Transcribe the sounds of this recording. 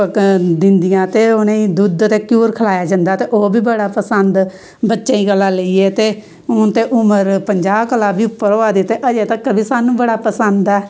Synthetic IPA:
d̪ɪnd̪ɪjãːt̪eːoneĩːd̪ʊd̪t̪eːkjuːɾkʰəlaːjaːd͡ʒənd̪aːt̪eːʔoːbiːbəɽaːpəsənd̪ | bətːʃaːiːkəlːãːləiːeːt̪eː | ʊnt̪eːʔʊməɾpəɲd͡ʒaːbkəlaːbiːʊpːəɾoːaːd̪it̪ːeːʔəd͡ʒeːt̪əkːəbiːsaːnːũːbəɽaːpəsənd̪ɛː

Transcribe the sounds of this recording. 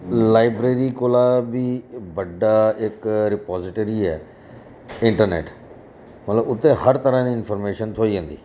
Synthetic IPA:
laːɪbɾeːɾiːkoːlaːbiːbəɖaːɪkɾɪpɔːzɪʈoːɾiːɛ̰ː | ɪ̃ɳʈəɾnḛːʈ | mət̪ləbʊt̪ːẽːhəɾt̪əɾãːd̪iːɪnpʰəɾmeːʃənt̪ʰoːiːd͡ʒə̃ːnd̪ḭː

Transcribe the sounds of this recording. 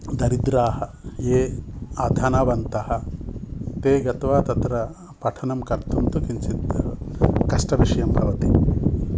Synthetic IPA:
d̪ɐɾid̪ɾaːɦɐ | jeːɐd̪ʱɐnɐʋɐnt̪ɐhɐ̆ | t̪eːɡɐt̪ʋaːt̪ɐt̪ɾɐ | pɐʈʰɐnɐmkɐɾt̪unt̪ukint͡ʃit̪ | kɐʂʈɐʋiʂɐjɐmbʱɐʋɐt̪i

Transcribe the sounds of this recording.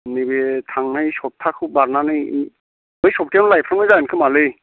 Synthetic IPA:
nibetʰaŋnajsɔp̚tʰakʰɯbaɾnanɯj | ɯjsɔp̚tʰijanɔlajpʰɾamnazaɯnkʰɯmalɯj

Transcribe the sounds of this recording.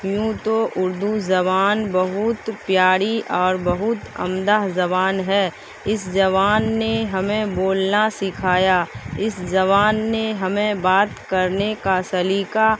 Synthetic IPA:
jũt̪oʔʊɾd̪uzɐβaːnbəɦʊt̪pjaːɽiʔɔːɾbɐɦʊt̪ɐ̰md̪aɦzɐbaːnɦɛː | ɪsd͡ʒɐʋaːnːeɦɐmẽboːlnasɪkʰaːjaɪsd͡ʒɐʋaːnːeɦɐmẽbaːt̪kɐɾnekasɐliːka

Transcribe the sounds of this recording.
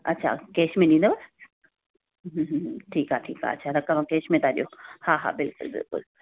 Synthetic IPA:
ɐtːʃʰa̰keːʃmẽnĩnd̪abɐ | ɦɦʈʰiːkɦaʈʰḭːkɦa̰ɐtːʃʰad̪ɐkːamakeːʃmẽt̪adiohaːɦa̰ːbɪlkʊ̰lbɪ̰lkʊ̰l

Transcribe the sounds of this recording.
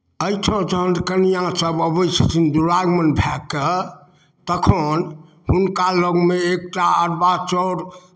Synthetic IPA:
əjtʰõd͡ʒəɦənkənijãsəbəbəjt͡ʃʰə̥t̪ʰind̪uɾaɡmənbʱɛkːə | t̪əkʰən | ɦunkaloɡmeek̚ʈaəɾbat͡ʃəɾ

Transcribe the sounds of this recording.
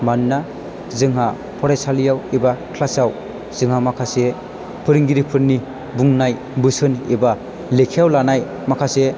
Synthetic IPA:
manːa | zɯŋɦa | pʰɔɾajsalijawibakʰlasaw | z̥ɯŋɦamakʰase | pʰɯɾɯŋɡiɾipʰɯɾni | buŋnaj | bɯsɯniba | lekʰijawlanaj | makʰase

